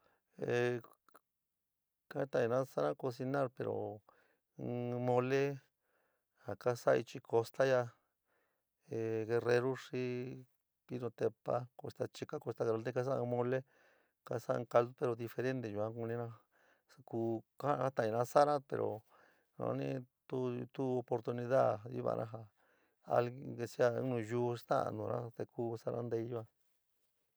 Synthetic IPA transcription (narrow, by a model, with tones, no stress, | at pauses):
e˨ | ka˦t̪a˧˨ĩ˧nã˧˦sa˦ɾã˦ko˧si˧nã˦ɾpe˨ɾo̰˨˧ | mõ˧le˦ | ha˨ka˦sa˦˧i˧t͡ʃi˧ko˧st̪a˦ja˧ | e˨ɣe˧re˧ɾu˦ʂi˦ | pi˦nõ˧t̪e˧pa̰˦ko˧st̪a˧t͡ʃi˧ka˦ko˧st̪a˧ɣe˧ɾe˧lẽ˧ka˦s̬ã˦˧mõ˧le˦ | ka˧sa˦˧ka˧ld̪u˦pe˧ɾo˧ði˧fe˧ɾẽ˦nd̪e˧˨ju˧ã˧kũ˧nĩ˧nã˧ | a˧kuː˧ka˦˧a˦t̪ã˨ĩ˧ã˧sa˦ɾã˦pḛ˨ɾo̰˨ | nã̰˧nĩ˧˦t̪u˦t̪u˦o˧po˧ɾt̪u˧nĩ˧ða˦˨ḭ˦βa̰˧˨˧nʔã̰˧ɦa˧ | a̰˧le˧si˦ã˧˦nũ˧juː˧˦st̪ã̰˦ã̰˧nũ˨nʔã̰˦t̪e˧kuː˦sa˦˧ɾʔã˧˦nd̪e˧i˦ju˦ã˧